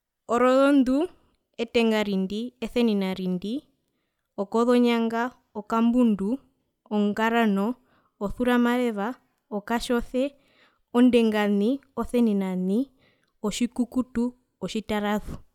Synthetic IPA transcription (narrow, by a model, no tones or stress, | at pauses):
ɔɾɔðɔndu | ɛtɛŋɡaɾindiɛθɛninaɾindi | ɔkɔðɔɲaŋɡa | ɔkambundu | ɔŋɡaɾanɔ | ɔθuɾamaɾɛβa | ɔkaʃɔθɛ | ɔndɛŋɡaniɔθɛninani | ɔʃikukutu | ɔʃitaɾaðu